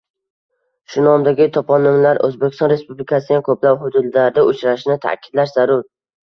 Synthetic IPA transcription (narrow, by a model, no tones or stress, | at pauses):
ʃʊnɒmd̪aɡʲɪt̪ʰɒpʰɒnːɪmlaɾɵ̰zbekʲɪst̪ɒnɾe̞spublɪkʰasɪd̪ankʰɵplaphʊd̪ʊd̪ːaɾd̪aʊt͡ʃɾaʃnɪt̪ʰa̰kʲʰɪd̪laɾz̥aɾʊɾ